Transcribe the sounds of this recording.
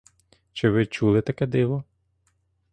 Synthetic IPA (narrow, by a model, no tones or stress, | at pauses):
t͡ʃɪʋɪt͡ʃulˠɪt̪ɐkɛd̪ɪʋɔ